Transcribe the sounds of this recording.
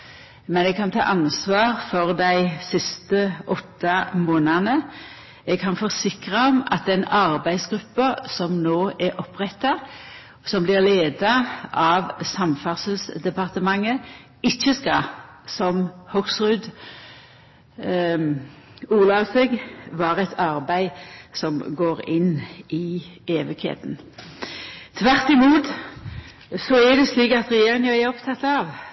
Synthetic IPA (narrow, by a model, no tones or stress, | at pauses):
mɛnɛɡ̚kʰɑnt̪ʰɑ̰ːʔɑnsʋɑːʁfɔʁd̪æɪsɪst̪əʔɔt̪ːɑmoːnɑnə | ɛɡ̚kʰɑnfɔʁsɪkʁɑɔmɑ̰t̪ɛnɑʁbæɪsɡɾʉpːəsɔmnoːʔɛʔɔpʁɛt̪ːɑ | sɔmblɪʁleːd̪ɑʔɑʋsɑmfɑʁsəl̩sd̪ɛpɑʁt̪əmɑŋːə | ɪt͡ʃːəskɑ | sɔmhɔksʁʉd̪ | uːlɑsɛɡʋɑːʁɛt̪ʰɑʁbæɪsɔmɡoːɾɪnːɪeːʋɪkhḛːt̪n | t̪ʰʋæʁt̪ɪmuːt̪ | sɔæd̪ɛsliːkɑt̪ʁɛjeːʁɪŋɑæɔpt̪ʰɑt̪ːɑʋ